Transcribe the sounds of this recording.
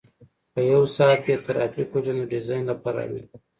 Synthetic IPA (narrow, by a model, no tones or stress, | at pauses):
pəjawsɑːt̪kʲet̪aɾɑfikod͡ʒanaɖɪzɑjnlapaɾɑ̰wḭ